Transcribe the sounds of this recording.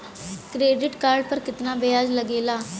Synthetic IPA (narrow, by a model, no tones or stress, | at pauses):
kɾeːɖɪʈkaːɾɖ̚pəɾkɪt̪naːbeːaːd͡ʒləɡeːlaː